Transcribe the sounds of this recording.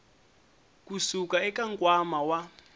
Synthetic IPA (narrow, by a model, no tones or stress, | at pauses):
k̬usukaɛk̬ʼaŋkʼwamawa